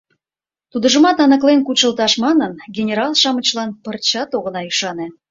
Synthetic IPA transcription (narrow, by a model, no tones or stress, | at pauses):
t̪ud̪ə̆ʒə̆mɑt̪ɑnə̆klenkut͡ɕə̆lt̪ɑʃmɑnənɡʲenʲeɾɑlˠʃɑmət͡ɕlɑnpə̆rt͡ɕɑt̪oɣə̆nɑyʃɑnĕ